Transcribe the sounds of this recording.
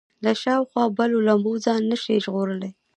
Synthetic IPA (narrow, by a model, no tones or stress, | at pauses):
laʃɑwxwɑbalolambod͡zɑnːəʃeʒɣoɾəle